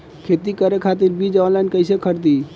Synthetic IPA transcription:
kʰet̪ikəɾekʰat̪iɾbid͡ʒalankəɪsekʰəɾt̪i

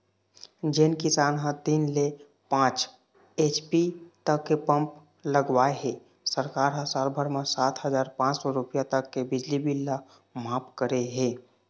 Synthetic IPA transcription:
d͡ʒenkisanɦə̃t̪inle | pãt͡ʃ | et͡ʃpit̪əkːepəmp | ləɡʋaeɦe | səɾkaɾɦə̃salbʱəɾmesat̪ʰɦəd͡ʒaɾpãt͡ʃsɔɾupjat̪əkːebid͡ʒlibilːa | mapkəɾeɦe

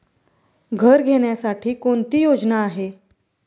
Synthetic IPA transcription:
ɡʱəɾɡʱeɽjasaʈʰiːkoɳt̪iːjod͡znaːɦe

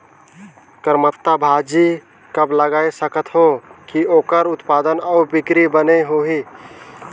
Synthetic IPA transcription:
kəɾmət̪ːabʱad͡ʒi | kəbləɡaːesəkət̪ɦokioːkəɾʊt̪paːd̪ənɔːbɪkɾibəneɦoɦiː

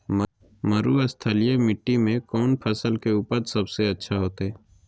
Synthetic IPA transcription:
m | məɾuəst̪ʰəlijemɪʈːimẽkɔːnpʰɐsəlkeuːpəɾsɐbseɐtːʃʰaɦoːt̪eɦɛː

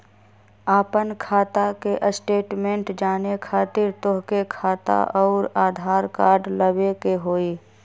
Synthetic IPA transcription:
aːpənkʰaːt̪akeʔəsʈeːʈmẽɳʈd͡ʒaːnekʰaːt̪ɪɾt̪oɦkekʰaːt̪a̰ʔɔːɾaːd̪ʱaːɾkaːɾɖləbekeɦoːiː

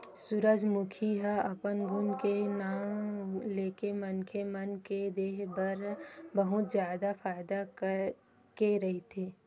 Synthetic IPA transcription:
sʊɾəd͡ʒmʊkʰiɦaɐpənɡʱʊnkenaːmleːkemɐnkemɐnked̪eːɦbɐɾbɐɦʊt̪zjaːd̪afaːɪd̪ak | keɾɐɦit̪ʰeː

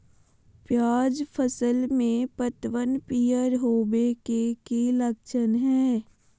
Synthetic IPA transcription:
pjaːd͡ʒpʰəsəlmẽpət̪ʋənpijəɾɦoːbekekeləkʃənɦɛː

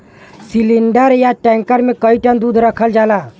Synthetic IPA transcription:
siliɳɖəɾjaʈɛ̃ŋkəɾmẽkəiʈə̃nd̪uːd̪ʱɾəkʰəld͡ʒala

